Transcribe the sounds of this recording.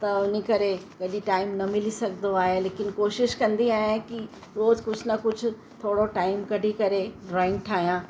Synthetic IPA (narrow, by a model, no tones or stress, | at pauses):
t̪ɐʊnikɐɾekɐɗiʈaːɪmnɐmɪlisɐɡʱnd̪oaːɦeleːkɪnkoːʃɪʃkɐ̃nd̪iaːɦeki | ɾoːzkʊd͡ʑʱnɐkʊd͡ʑʱʊ̆ | t̪ʰoːɽoʈaːɪmkɐɖʱikɐɾeɖɾaːɪ̃ŋɡ̚ʈʰaːɦijãː